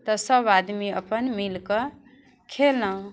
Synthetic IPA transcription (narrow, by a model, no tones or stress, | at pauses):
t̪ʌsʌbad̪miʌ̰pənmilkʌ | kʰelnʌ